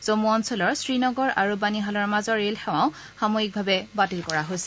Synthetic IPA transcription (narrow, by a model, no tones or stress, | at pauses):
z̥omuɔnsɔlɔɹsɹinɔɡɔɹa̰ɹubaniɦalɔɹmazɔɹelxɛw̃ãʊ̃ | xamoik̚bʱabɛbatilkɔɹaɦojsɛ̥